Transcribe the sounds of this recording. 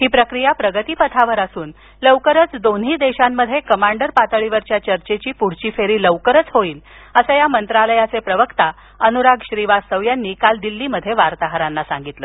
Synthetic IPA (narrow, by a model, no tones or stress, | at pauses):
hiːpɾəkɾijapɾəɡət̪iːpət̪ʰaʋəɾəsuːn | ləʋkəɾət͡sd̪on̤ɦiːd̪eɕamːəd̪ʱːjekəmaɳɖəɾpat̪əɭiʋəɾt͡ɕjat͡ɕəɾt͡ɕet͡ɕiːpuɽ̤t͡ɕiːfeɾiːləʋkəɾət͡sɦoiːn | əsəjamənt̪ɾaləjat͡sepɾəʋəkt̪a | ənuɾaɡɕɾiʋast̪əʋjanːiːkald̪ilːiːməd̪ʱːjeʋaɾt̪aɦɾanːasãŋɡit̪lə